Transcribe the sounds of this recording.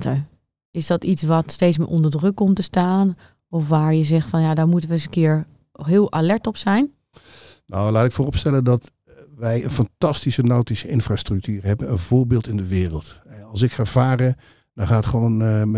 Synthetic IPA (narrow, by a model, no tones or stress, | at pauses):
tə | ɪsdɔtitsʋɔtsteːtsmɪ̰ʔɔndəɹdrɵkːɔmtəstaːn | ɔfʋaːɹjəzɛxtfɔnjadaːɹmutənʋəsəkɪəɹ | ɦɪːlˠʔalɛɹtɔpsɛjn | nawlaːtɪkfoːrɔpstɛləndɔt | ʋɛjənfɑntɑstisənawtisəɪnfraːstrʏk̚tyːrɦɛbənənvoːɹbɪːlˠtɪndəʋɪːrəlˠtɛɑlˠs̬ɪkχav̥aːɾə | d̥ɔχaːətχʋown